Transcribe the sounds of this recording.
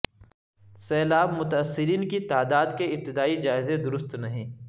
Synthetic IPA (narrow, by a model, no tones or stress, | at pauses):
sɛːlaːbmʊt̪ɐɐsːɪɾiːnkit̪aːd̪aːd̪keɪp̚t̪ɪd̪aːid͡ʒaːɪzẽd̪ʊɾʊst̪nɐɦĩː